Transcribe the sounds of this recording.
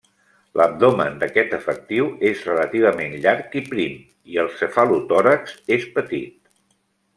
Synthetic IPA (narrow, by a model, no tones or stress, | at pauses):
lʔəb̚d̪omə̰nd̪əkɛt̪əfək̚t̪iwezrələt̪iβ̞əmenʎaɾkipɾim | iəlˠsəfalut̪ɔɾəksespət̪it̪̚